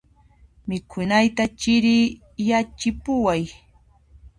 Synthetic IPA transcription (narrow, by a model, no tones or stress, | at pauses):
mɪkʰʊnajt̪at͡ʃɪɾɪː | jat͡ʃɪpʊwaj